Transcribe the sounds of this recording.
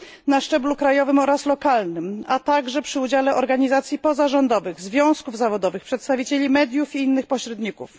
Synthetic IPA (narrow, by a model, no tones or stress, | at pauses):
naʂt͡ʂɛblukɾajɔvɘmɔɾaslɔkalnɘmat̪aɡʐɛpʂɘud͡ʑalɛʔɔɾɡaɲizat̪sʲjipɔzaʐɔnd̪ɔvɘɣzvʲjɔ̃w̃skuvzavɔd̪ɔvɘxpʂɛt̪st̪avʲit͡ɕelʲimɛd̪ʲjufiinːɘxpɔɕɾɛd̪ɲikṵf